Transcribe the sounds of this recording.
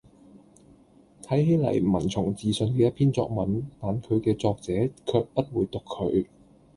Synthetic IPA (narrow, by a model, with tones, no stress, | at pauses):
t̪ʰɐ˨˥jhe˨˥jlɐ̰˨˩jmɐ˨˩nt͡sʰʊ˨˩ŋt͡siː˨sɵ˧nkɛː˧jɐ˥t̚pʰiː˥nt͡sɔ̰ː˧k̚mɐ˨˥nt̪aː˨nkʰɵ˨˧ɥkɛː˧t͡sɔː˧k̚t͡sɛː˨˥kʰœː˧k̚pɐ˥t̚wuː˨˧jt̪ʊ˨kʰːɵ̰˨˧ɥ